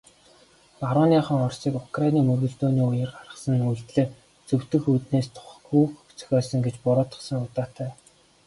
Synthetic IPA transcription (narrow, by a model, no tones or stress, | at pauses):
paɾʊːnjaːχə̆ŋɔrsiːkʊkrainiːmɵrɣɵ̆ɮt̪oːniːujɘ̆rɢarə̆sə̆nujɮt̪ɮĕː | t͡sɵw̥t̪ɘ̆xuːt̪neːst̪ʰχ | uːxʰ | t͡sœ̥xʲɔːsə̆ŋɡet͡ɕpʊɾʊːt̪ə̥̆sə̆ŋʊt̪aːt̪ʰæː